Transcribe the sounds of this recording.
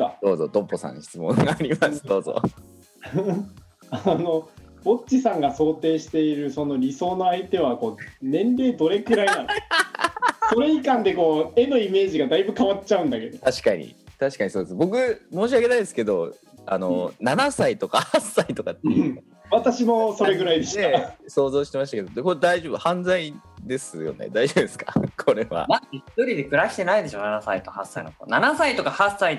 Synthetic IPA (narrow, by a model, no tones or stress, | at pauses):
ad̪̥o̞ːzo̞t̪õpːosã̰ɕi̥t͡sɨmõŋɡaːɾʲimasɨd̪o̞ːzo̰ | ano̞ | o̞t͡ɕːisãŋɡaso̞ːt̪e̞ːɕi̥t̪e̞iɾɯ̟so̞no̞ɾʲiso̞ːno̞ait̪e̞β̞ako̞ːnẽ̞nɾe̞ːd̪o̞ɾe̞kɯ̟ɾainan | so̞ɾe̞ikãnd̪e̞ko̞ːe̞no̞ime̞ːʑiɡad̪aibɯ̟kaβatt͡ɕaɯ̟̃nd̪ake̞d̪ot̪aɕi̥kaɲ̟ḭt̪aɕi̥kaɲ̟isoːd̪esbo̞kɯ̟mo̞ːɕ̬iake̞naid̪esɨ̥ke̞d̪o̞ | a̰no̞̰nanasait̪o̞kahasːait̪o̞kat̪ːḛi | βat̪aɕimo̞so̞ɾeɡɯ̟ɾaid̪eɕeso̞ːzo̞ːɕi̥t̪emaɕ̬t̪ake̞d̪okod̪aiʑobɯ̟hãnd͡zaid̪e̞sɨjo̞̰nḛd̪aiʑo̞bd̪e̞sɨ̥ka̰kʰo̞ɾe̞βa̰naeçi̥t̪oɾʲid̪e̞kɯ̟ɾaɕi̥t̪e̞naid̪e̞ɕo̞ːnanasait̪ohasːa̰ḭnoko̰nanasait̪o̞kahasːai